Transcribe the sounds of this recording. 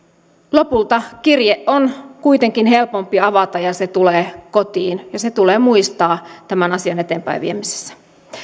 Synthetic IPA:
lopult̪ɑkirjeʔonkuit̪eŋkinhe̞lpompiɑʋɑt̪ɑjɑset̪uleːkot̪iːnjɑset̪uleːmuist̪ɑːt̪æmænɑsiɑne̞t̪eːmpæ̰jʋiemise̥sːæ̥

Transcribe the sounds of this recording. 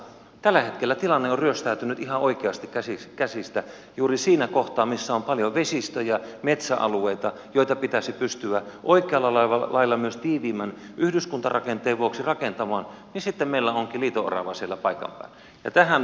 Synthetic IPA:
t̪ælːæhet̪kelːæt̪ilɑnːeoryøst̪æyt̪ynyt̪ihɑʔoikeɑst̪ikkæsikæsist̪æ | juːrisiːnækoht̪ɑːmmisːæompɑljoʋesist̪øjɑmet̪sæʔɑ̰lueit̪ɑ | joˑit̪ɑpit̪æsipyst̪yæʔoikeɑlːɑlɑɑlɑilːɑmyøst̪iːʋiːmænʔyhdyskunt̪ɑrɑkent̪ˑeːʋuoksirɑkent̪ɑmɑːnnisit̪ːemmeilːæoŋkiliːt̪oʔɑ̰rɑ̰ʋɑsielːæpɑikɑ̰mpæ̰ˑi | jɑ̰t̪æhæn

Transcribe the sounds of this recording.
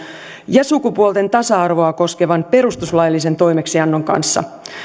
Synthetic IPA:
jɑsukupuolt̪ent̪ɑsɑɑrʋo̞ɑko̞ske̞ʋɑnpe̞ɾust̪uslɑjlːise̞nt̪o̞jme̞ksiɑnːoŋkɑ̰nsːɑ̰

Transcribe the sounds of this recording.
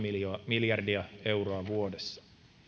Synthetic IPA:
imiljɑrdiɑe̞wɾoɑʋuo̞desːɑ̥

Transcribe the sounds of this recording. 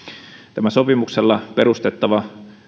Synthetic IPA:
t̪æmæso̞pimukselːɑpe̞ɾust̪et̪ːɑʋɑ

